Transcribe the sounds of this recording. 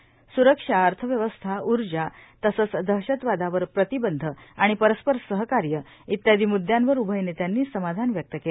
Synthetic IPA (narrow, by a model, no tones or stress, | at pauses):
suɾəkʂaəɾt̪ʰəʋjəʋəst̪ʰauɾd͡ʑat̪əsət͡sd̪ʱəɦɕət̪ʋad̪ʱaʋəɾpɾət̪ibənd̪ʱəaɽ̃ipəɾəspəɾsəɦəkaɾjə | it̪jad̪iːmud̪ʱjanʋəɾubʱəjnet̪janːiːsəmad̪ʱanʋjək̚t̪əkel